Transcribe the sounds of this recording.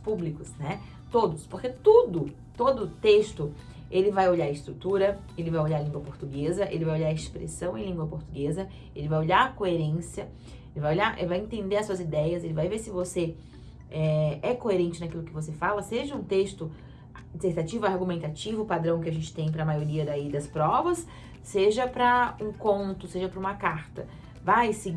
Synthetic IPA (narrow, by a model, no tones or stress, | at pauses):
publikʊsnɛ | t̪od̪ʊspoɾket̪od̪ʊ | t̪od̪ʊt̪est̪ʊ | elɪvajoʎaɾɐɪst̪ɾut̪uɾɐ | elɪvajoʎaɾɐlĩŋɡwɐpoɾt̪uɡezɐʔḛlɪvajoʎaɾɐespɾḛsɐ̃w̃ẽj̃lĩŋɡwɐpoɾt̪uɡezɐ | elɪvajoʎaɾɐkoeɾẽsiɐ | elɪvajoʎaɾʔḛlɪvajẽt̪ẽnd̪eɾɐsuɐzid̪ɛjɐselɪvajveɾsɪvose | ɛɛkoeɾẽnt͡ʃɪnɐkilʊkɪvos̬efalɐseʒɐũt̪est̪ʊ | t̪ẽkt̪at͡ʃivʊaɾɡumẽnt̪at͡ʃivʊpad̪ɾɐ̃w̃kɪɐʒẽnt͡ʃɪ̥t̪ẽj̃pɾɐmajoɾiɐd̪aid̪ɐspɾɔvɐsː | eʒɐpɾɐũkõnt̪ʊseʒɐpɾɐũmɐkaɾt̪ɐ | vajsɪ